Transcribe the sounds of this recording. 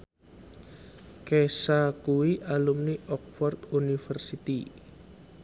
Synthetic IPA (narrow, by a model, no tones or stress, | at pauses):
kesakuwiʔalumniʔɔk̚fɔrt̪unifərsit̪i